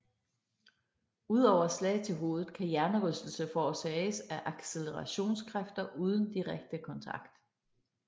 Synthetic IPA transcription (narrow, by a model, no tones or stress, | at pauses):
uð̞̰ˠɒʊɐslɛ̰ɪt͡sʰe̝lɦo̝ːð̞ˠð̩ˠkʰæjæɐnəʁœsd̥l̩səfɒːsɛːsæʔɑ̈ɡ̥seləʁɑɕo̝̰ːnskʰʁafd̥ɐʔuːð̞ˠən̩d̥iʁaɡ̥̚d̥əkʰɒ̽nt͡sʰɑ̈ɡ̥d̥